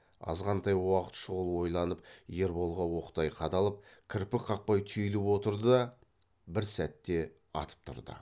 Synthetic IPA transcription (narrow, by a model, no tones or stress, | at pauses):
ɑ̰zʁɑnt̪ʰɑjwɑqə̥t̪ʃʊʁəlˠwo̞jlˠɑnəp̚je̞ɾbo̞lˠʁɑwo̞qt̪ɑjqʰɑt̪ɑlˠəp̚kʲʰɪɾpɪqʰɑq̚pɑjt̪ʰʏjlɪpwo̞t̪əɾd̪əd̪ɑ | bɪɾsæt̪ːe̞ | ɑ̰t̪ə̥p̚t̪ʰʊ̰ɾd̪ə̰